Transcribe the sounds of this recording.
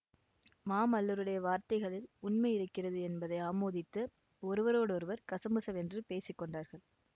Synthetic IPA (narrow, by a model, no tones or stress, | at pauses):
maːmɐlːɯɾɯɽɐjɐʋaːɾt̪ɐɪɣɐɭɪlʊnmɐɪɪɾɯkːɪrɐðɯɛnbɐðɐɪaːmoːðɪt̪ːɯ | ɔɾɯʋɐɾoːɽɯɔɾɯʋɐɾkɐsɐmɯsɐʋɛndrɯpeːsɪkːɔɳɖaːɾɣɐɭ